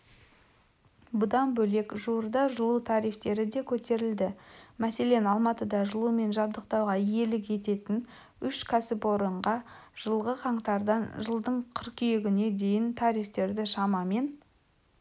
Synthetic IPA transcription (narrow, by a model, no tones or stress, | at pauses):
bʊd̪ɑnbɵle̞kʒuwəɾd̪ɑʒəlˠut̪ʰɑɾijft̪e̞ɾɪd̪e̞kʲʰɵt̪e̞ɾɪld̪ɪmæse̞le̞nɑlˠmɑt̪əd̪ɑʒəlˠume̞nʒɑbd̪əq̚t̪ɑwʁɑije̞lɪkje̞t̪e̞t̪ɪn | ʏʃkʲʰasɪpo̞ɾəɴʁɑʒ̥əlˠʁəqʰɑɴt̪ɑɾd̪ɑnʒəlˠd̪əɴqʰəɾqʏjeɡʲɪne̞d̪e̞jɪnt̪ʰɑɾijft̪e̞ɾd̪ɪʃɑmɑme̞n